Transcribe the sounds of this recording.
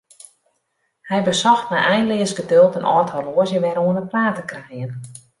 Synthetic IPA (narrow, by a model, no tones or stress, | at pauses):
hɛjbəsɔxtmɛjɛjnlɪəsɡədølˠtənʔɔthɔloəzjəʋɛɾoənəplaːtəkrɛjən